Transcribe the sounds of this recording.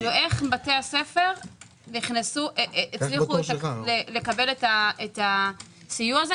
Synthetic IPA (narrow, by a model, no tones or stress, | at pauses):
loʔeχbate̞ase̞fe̞ʁ | niχnesuʔeeːt͡sliχulele̞kabe̞letaeta | sijuaze